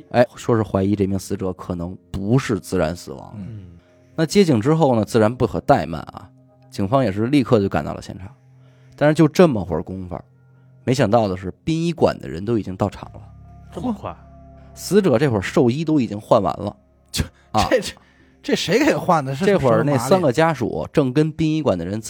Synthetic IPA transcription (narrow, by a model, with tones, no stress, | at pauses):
ḛ˥˩ɪʂwɔ˥ʂɻ̩˥˩xwa˧˥ɪi˧˥ʈ͡ʂe˥˧˩mi˥˩ŋsɹ̩˧˥ʈ͡ʂɤ˧˥kʰɤ˨˩nɤ˧˥ŋpu˧˥ʂɻ̩˥˧t͡sɹ̩˥˩ɻa̰˧˥nsɹ̩˨˩wɑ̰˧˥ŋd̪ə˦ | na˥˩t͡ɕjɛ˥t͡ɕi˥˩ŋʈ͡ʂɻ̩˥xo˥˩ʊnə˩t͡sɹ̩˥˩ɻa˧˥npu˥˩xʰɤ˨˩t̪a˥˧ɪma̰˥˩nɐ̰˨˩ | t͡ɕi˨˩ŋfɑ˥ŋjɛ˨˩ʂ̬ɻ̩˥˧li˥˧kʰɤ˥˧t͡ɕjo˥˩ʊka̰˨nt̪ɑ̰˥˧˩lə̰˧˩ɕjɛ˥˩nʈ͡ʂʰɑ˨˩˦ŋ | t̪a˥˧nʂɻ̩˥˧t͡ɕjʊʈ͡ʂɤ˥˩mə˨xwə̰˧˥kʊ˥ŋfə̰˨˧˩ | me˧˥ɪɕjɑ˨˩ŋt̪ɑ˥˩ʊd̪ə˩ʂɻ̩˥˩pi˥ŋi˥kwa̰˨˩nd̪ə̰˦ɻə̰˧˥nt̪o˥ʊi˨˩t͡ɕi˥ŋt̪ɑ˥˩ʊʈ͡ʂʰɑ̰˨˩ŋlə̰˦˥˩ | sɹ̩˧˥ʈ͡ʂɤ˨˩ʈ͡ʂe˥˩xwə̰˞˨˩ʂo˥˩ʊi˥t̪o˥ʊi˨˩t͡ɕi˥ŋxwa˥˩nwa̰˧˥nlə̰˧ | t͡ɕ | ʈ͡ʂe˥˩ʂe˧˥ɪkʰe˧˥˩xwa˥˩nd̪ə˩ʂ̩˥˧ʈ͡ʂe˥˩˧xwə˞˨˩ne˥˩˥sa˥nɡə˨t͡ɕja˥ʂṵ˨˩ʈ͡ʂɤ˥˩ŋkə˥npi˥ŋi˥kwa˨˩nd̪ə˦ɻə˧˥n